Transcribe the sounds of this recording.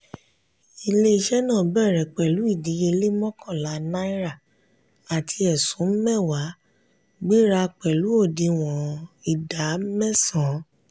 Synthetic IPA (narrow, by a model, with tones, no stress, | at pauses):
i˧˨le˦i˧ʃɛ˦nãː˦˨bɛ˦˨ɾɛ˨k͡pɛ˨lu˨˦i˦˨di˨˦je˧le˦mɔ̃˦kɔ̃˦˨la˨˦nã˦i˦ɾa˦˨ | a˨tʰi˧ɛ˨sũ˨˦m̩˦mɛ˦˨wa˨˦ | ɡ͡bi˦ɾa˧k͡pɛ˨lu˨˦o˦˨di˧w̃ɔ̃˨i˨da˨˦mɛ˦sã˨˦